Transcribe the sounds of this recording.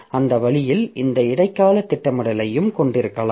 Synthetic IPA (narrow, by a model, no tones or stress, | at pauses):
ɐnd̪ɐʋɐɭɪjɪlɪnd̪ɐɪɽɐɪkːaːlɐt̪ːɪʈːɐmɐɽɐlɐjɯmkɔɳɖɪɾɯkːɐlː